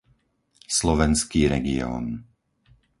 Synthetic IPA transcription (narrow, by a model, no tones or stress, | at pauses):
slɔʋɛnskiːɾɛɡḭɔ̰ːn